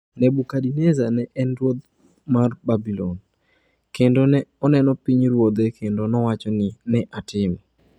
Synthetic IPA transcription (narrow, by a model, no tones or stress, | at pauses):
nɛbukadinezanɛʔɛnɾwot̪̚ | marbabilɔn | kendonɛɔnɛnɔpiɲɾwod̪ekʰendonɔwat͡ʃɔnɪnɛʔatɪmɔ